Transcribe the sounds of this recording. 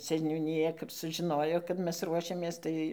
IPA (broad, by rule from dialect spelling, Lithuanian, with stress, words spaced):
sʲɛnʲuːnʲɪˈjɛ kɐp sʊʒʲɪˈnoːjoː kɐt ˈmʲɛs ˈruɔʃʲɛmʲeːs ˈtɐɪ